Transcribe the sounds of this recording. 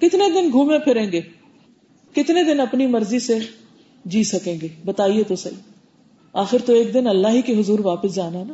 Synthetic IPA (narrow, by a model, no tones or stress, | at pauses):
kɪt̪ned̪ɪnɡʱũːmẽpʰɪɾẽːŋɡeː | kɪt̪ned̪ɪnɐpnimɐɾzise | d͡ʒiːsɐkẽːŋɡeːbɐt̪aːiet̪osɐḭː | aːxɪɾt̪oeːk̚d̪ɪnɐlːaɦikeɦʊzuːɾʋaːpəsd͡ʒaːnaɦɛnaː